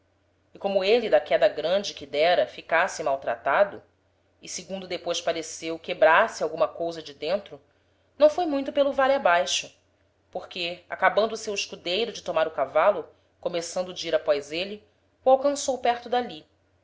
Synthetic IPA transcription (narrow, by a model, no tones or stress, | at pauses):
ɪkõmʊelid̪ɐkɛd̪ɐɡɾɐ̃d͡ʒɪkɪd̪ɛɾɐfikasɪmawt̪ɾa̰t̪ad̪ʊ | ɪsiɡũnd̪ʊd̪epojʃpaɾesewkebɾasɪawɡũmɐkowzɐd͡ʒɪd̪ẽnt̪ɾʊ | nɐ̃w̃fojmũj̃t̪ʊpelʊvaliabajʃʊ | poχkea̰kabɐ̃nd̪ʊːsewiʃkud̪ejɾʊd͡ʒɪt̪omaɾʊkavalʊ | komesɐ̃nd̪ʊd͡ʒiɾapɔjzeli | uawkɐ̃sowpɛɾt̪ʊd̪ali